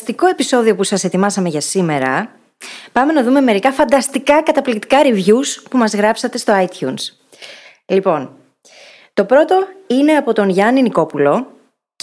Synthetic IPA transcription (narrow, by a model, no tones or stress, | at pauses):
st̪iko̞e̞piso̞ðio̞pusɐse̞t̪imɐsɐme̞ʝɐsime̞ɾɐ̰ | pɐme̞nɐðume̞me̞ɾikɐfɐnd̪ɐst̪ikɐkɐt̪ɐplikt̪i̥kɐɾivʝuspumɐzɣɾɐpsɐt̪e̞st̪o̞ɐit̪çuns | lipo̞n | t̪o̞pɾo̞t̪o̞ine̞ɐpo̞t̪o̞nʝɐniniko̞pulo̞